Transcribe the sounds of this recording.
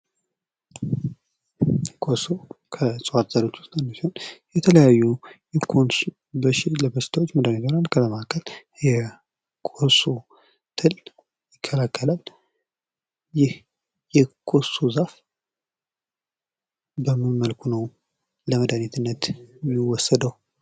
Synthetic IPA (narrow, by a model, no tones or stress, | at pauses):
kʰosokʰəsʼwat̪zaɾot͡ʃ̪ːʊ̥st̪ənːosihonjɛt̪ʰələjajːujɛkʰons | bəʃɪləbəst̪ʰawot͡ʃːməd̪anet̪oɾankʰələmaakʰːəl | jɛ | kʰoso | t̪ʰɨl | jɪkʰːəlakʰːəlal | jɪh | jɛkʰosuzaf | bəmːɨnmːəlkʰunəw | ləməd̪anit̪ʰɨnːət̪jɪwɔsːəd̪əh